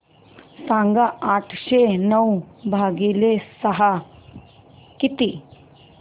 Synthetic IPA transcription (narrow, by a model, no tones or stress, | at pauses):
sãːŋɡaaːʈʰʃenɐwbʱaːɡiːlesɐɦa | kɪt̪i